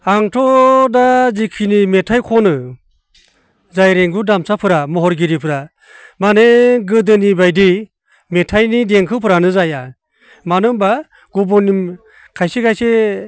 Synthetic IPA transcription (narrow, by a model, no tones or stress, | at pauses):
aŋtʰɔdazikʰinimetʰajkʰɔnɯ | zajɾeŋɡudamsʰapʰɯɾamɔɦɔɾɡiɾipʰɯɾa | maneɡɯdɯnibajdi | metʰajnideŋkʰɯpʰɯɾanɯzaja | manɯmba | ɡ̥ubɔnim | kʰajsikajse